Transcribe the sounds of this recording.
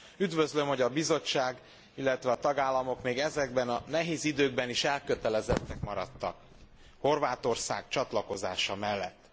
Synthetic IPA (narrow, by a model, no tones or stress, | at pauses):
yd̪vøzlø̞mho̞ɟɒbizo̞t͡ʃːaːɡ | ilːɛt̪ʋɛɒt̪ɒɡaːlːɒmo̞kmeːɡɛzɛɡ̚bɛnɒnɛɦeːzid̪øːɡ̚bɛniʃɛlkø̞t̪ɛlɛzɛt̪ːɛkmɒɾɒt̪ːɒk | ho̞rvaːt̪o̞rsa̰ːɡt͡ʃɒt̪lɒko̞za̰ːʃɒmɛlːɛt̪ː